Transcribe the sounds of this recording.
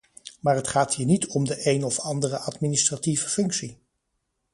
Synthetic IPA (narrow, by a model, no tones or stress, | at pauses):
maːɹɦətχaːtɦiːɹnitʰɔmdəʔejnɔfɑndərəʔɑtminɪstrativəfɵŋksi